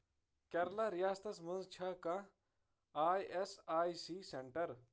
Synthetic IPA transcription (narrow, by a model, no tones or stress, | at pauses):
kɐɾlaɾijaːst̪ɐsmɐnzt͡ʃʰɐkɐ̃ | aːjʔesaːisiːseɳʈəɾ